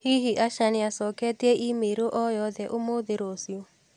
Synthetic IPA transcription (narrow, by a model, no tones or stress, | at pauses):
hiɦiʔaʃanɪasɔkɛtiɛʔimeɾoʔɔjɔðɛʔomoðeɾosio